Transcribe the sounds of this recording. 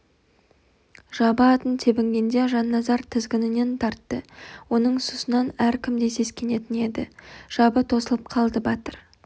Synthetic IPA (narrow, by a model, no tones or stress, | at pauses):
ʒ̥ɑbəɑt̪ənt̪ʰe̞bɪŋɡʲe̞nd̪e̞ʒɑnːɑzɑɾt̪ʰɪzɡʲɪnɪne̞nt̪ʰɑɾt̪ːəwo̞nəɴsusənɑnæɾkʲʰɪmd̪e̞se̞skʲe̞ne̞t̪ɪne̞d̪ɪʒ̥ɑbət̪ʰo̞səlˠəp̚qʰɑlˠd̪əbɑt̪əɾ